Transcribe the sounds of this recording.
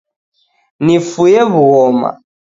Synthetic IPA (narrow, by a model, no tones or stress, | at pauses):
nifujɛβuɣɔma̰